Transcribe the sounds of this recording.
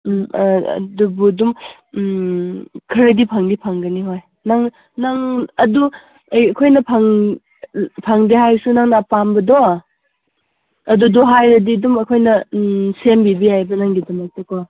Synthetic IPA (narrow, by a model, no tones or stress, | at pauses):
ɐ̰dubudum | kʰɐɾɐdipʰaŋdipʰaŋɡɐniɦoj | naŋ | naŋɐdu | ejɐkʰojnɐpʰaŋ | pʰaŋdihajsunaŋnapambɐdoa | ɐduduɦajɾɐdidumɐkʰojnɐsembibijajbɐnaŋdidɐmɐk̚tɐkʰoa